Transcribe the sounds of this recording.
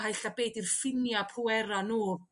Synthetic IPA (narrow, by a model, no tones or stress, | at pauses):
hajɬabeːdirfɪnjapʰruɛɾanuː